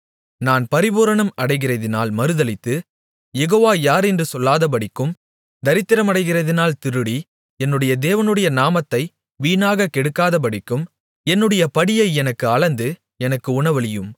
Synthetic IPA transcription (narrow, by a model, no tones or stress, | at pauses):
naːnpɐɾɪbuːɾɐɳɐmɐɽɐɪɣɪrɐðɪna̰ːlmɐɾɯðɐlɪt̪ːɯ | jɛɣoːʋaːjaːɾɛndrɯsɔlːaːðɐp̬ɐɽɪkːɯm | d̪ɐɾɪt̪ːɪɾɐmɐɽɐɪɣɪrɐðɪnaːlt̪ɪɾɯɽi | ɛnːɯɽɐjɐd̪eːʋɐnɯɽɐjɐnaːmɐt̪ːɐɪ | ʋiːnaːɣɐkɛɽɯkːaːðɐp̬ɐɽɪkːɯm | ɛnːɯɽɐjɐpɐɽɪjɐɪɛnɐkːɯɐɭɐnd̪ɯ | ɛnɐkːɯʊɳɐʋɐɭɪjɯm